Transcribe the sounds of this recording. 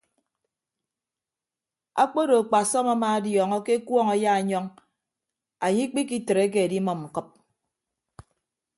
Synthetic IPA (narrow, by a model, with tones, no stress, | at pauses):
a̰˦k͡po˦do˨a˨k͡pa˨sɔ˦ma˦ma˦a˦djɔː˨ŋɔ˦ke˦kwɔ˦ŋa˨ja˦a˨ɲɔ˦ŋ | a˨ɲi˦k͡pi˦ki˦tɾe˨˦k̬e˦a˨di˦mɔ˨mŋ͡m̩˨kɨ˦p̚